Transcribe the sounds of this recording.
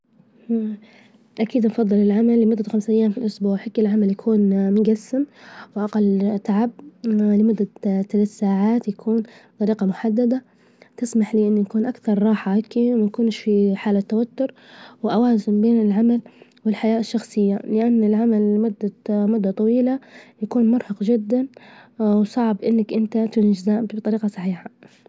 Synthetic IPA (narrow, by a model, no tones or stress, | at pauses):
ʔakiːd̪nfɑðˤːɨlɪlʕamalːɪmʊd̪ːaxamsʔajːaːmfilʔʊsbuːʕħaɡɪlʕamaljakʰuːnmʊɡasːɪmwɪʔaqalːt̪aʕab̚lɪmʊd̪ːat̪alat̪saːʕaːt̪jakʰuːnt̪ˤɑɾiːqɑmʊħad̪ːad̪a | t̪ɪsmaħliːʔɪnːjakuːnʔakθɑɾˤːɑːħaakːiwmanakuːnɪʃfiħaːlat̪ːawat̪ːʊɾ | wɪʔawaːzɪmbeːnɪlʕamalwɪlħajaːʔɪʃːɑxsˤɨjːalɪʔanːɪlʕamalːɪmʊd̪ːamʊd̪ːat̪ˤɑwiːlajakuːnmʊɾħɑqd͡ʒɪd̪ːanwsˤɑʕbʔɪnːakʔɪnt̪at̪ɪnd͡ʒɪzaːʔbt̪ˤɑɾiːqɑsˤɑħiːħa